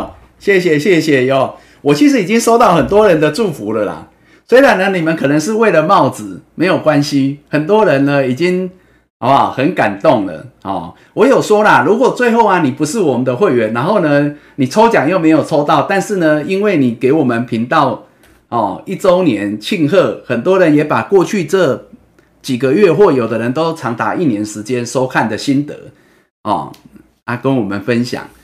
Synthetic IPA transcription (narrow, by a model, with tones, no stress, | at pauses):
ɕjɛ˥˩ɕjɛ˨ɕjɛ˥˩ɕjɛ˨˩ɔ˨˩ | wɔ˨t͡ɕʰi˧˥ʂɻ̩˧˥i˨t͡ɕi˦˥ŋʂo˥ʊt̪ɑ˥˩ʊxə˨˩nt̪wɔ˦ɻə˧˦nd̪ə˧ʈ͡ʂu˥˨˩fu˨˧˦lə˨la̰˩ | swe˥ɪɻa˨˦nːə˧ni˨˩mə˨˦nkʰɤ˨˩nə˧˦ŋʂ̬ɻ̩˥˧we˥˩ɪlə˨mɑ˥˩ʊt͡sɹ̩˨˩me˧˥ɪjo˨˩ʊkwa˦nɕi˦xə˨˩nt̪̬wɔ˦ɻə˧˦nlə˧i˨˩t͡ɕi˦ŋ˨ | a˨˩xə˨˦nka̰˨˩nt̪o˥˩ŋlə̰˩hɔ̰˨˩ | wɔ˧˦jo˨˩ʊʂwɔ˥la˨ɻu˨˥kwɔ˨˩t͡swe˥˧ɪxo˥˩ʊa˨ni˨˩pu˧˦ʂɻ̩˥˩wɔ˨˩mə˨˦nd̪ə˧xwe˥˩ɪɥɛ˨˦nːa˧˦nxo˥˩ʊnə˨ni˨˩t͡sʰo˥ʊt͡ɕjɑ˨˩ŋjo˥˩ʊme˧ɪjo˨˩t͡sʰo˦ʊt̪ɑ˥˨ʊt̪a˥˧nʂɻ̩˥˩nə˨˩i˦nwe˥˩ɪni˨˩ke˧˥ɪwɔ˨˩mə˨npʰi˧˦ŋt̪ɑ˥˨ʊ | hɔ˨i˥˩t͡so˦ʊnjɛ˧˦nt͡ɕʰi˥˧ŋxɤ˥˩xə˨˩nt̪̬wɔ˦˥ɻə˧˦njɛ˨˥pa˨˩kwɔ˥˧t͡ɕʰy˥˧ʈ͡ʂə˥˧ | t͡ɕi˨˩ɡə˦ɥɛ˥˧xwɔ˥˩jo˨˩d̪ə˦ɻə˧˦nt̪o˥ʊt͡sʰɑ˧˥ŋt̪a̰˧˦ʔi˥˨njɛ˨˧˦nʂɻ̩˧˦t͡ɕjɛ˦nʂo˦˥ʊkʰa˥˨˩nd̪ə˨ɕi˦nt̪ə̰˧˦ | hɔ̰˨˩ | a˦˩kə˦nwɔ˨˩mə˨nfə˦nɕja̰˨˩˦ŋ